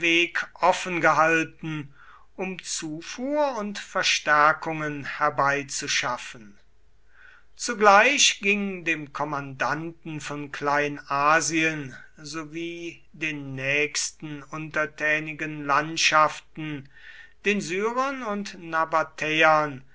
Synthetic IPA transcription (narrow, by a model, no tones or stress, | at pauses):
veːkʔɔfənɡəɦaltn̩ | ʔʊmt͡suːfuːɐʊntfɛɐʃtæɐkʊŋənhɛɐbaɪt͡suʃafən | t͡suɡlaɪɕɡ̥ɪŋəndeːmkʰɔmandantn̩fɔnklaɪnaːziənzoviː | deːnːɛːkstn̩ʊntɐtʰɛːnɪɡənlantʃaftn̩ | d̥eːnzyːʁɐnʊntnabatʰɛɐn